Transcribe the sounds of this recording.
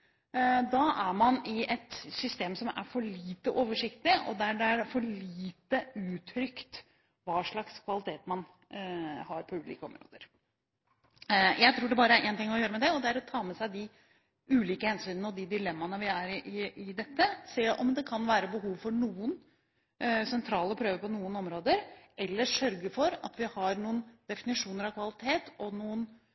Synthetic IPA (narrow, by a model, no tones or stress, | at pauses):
d̪ɑʔæɾmɑnɪʔɛt̪sʏst̪eːmsɔmæ̰ɾfɔɭiːt̪əʔoːʋəʂɪkt̪ɪɔ̰d̪æɖɛæɾfɔɭiːt̪əʉːt̪ʰɾʏkt̪ | ʋɑːʂɭɑkskʰʋɑlɪt̪ʰeːt̪mɑn | hɑɾpʰɔʉːlḭːkəɔ̰mɾo̰ːd̪əɾ | jæɪt̪ʰɾuːɖɛbɑːɾəæɾʔeːnt̪ɪŋːɔjøːɾəmɛd̪ɛɔd̪ɛæɾɔt̪ʰɑːmɛsæɪd̪ɪ | ʉːliːkəhɛnsyːnənəɔd̪ɪd̪ɪlɛmːɑnəʋɪæɾɪʔɪɪd̪ɛt̪ːəseːʔɔmd̪ɛkʰɑnʋæːɾəbəɦuːʋfɔɳuːən | sɛnt̪ʰɾɑːləpʰɾøːʋəpɔnuːənɔmɾoːd̪əɾʔɛlːəʂœɾɡəfɔɾɑ̰t̪ʋɪhɑɾɳuːənd̪̥ɛfɪnɪʂuːnəɾɑʋkʰʋɑlɪt̪ʰeːt̪ɔnuːən